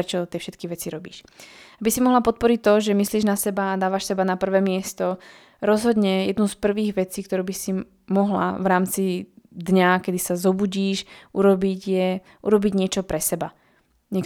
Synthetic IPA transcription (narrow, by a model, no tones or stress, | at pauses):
ɾɛt͡ʃɔt̪ɪɛfʃɛt̪kiʋɛt͡siɾɔbḭːʃabisimɔɦlapɔt̪̚pɔɾic̚t̪ːɔʒɛmisliːʒnasɛbaːd̪aːʋaʃsɛbanapr̩ʋɛːmɪɛst̪ɔ | ɾɔzɦɔd̪ɲɛjɛd̪nuspr̩ʋiːɣʋɛt͡siːkt̪ɔɾuːbisi | mɔɦla̰vɾaːmt͡sid̪ɲakɛd̪isazɔbuɟiːʃʔuɾɔbiɟjɛ | ʔuɾɔbiɟɲɪɛt͡ʃɔpɾɛsɛba | ɲɛk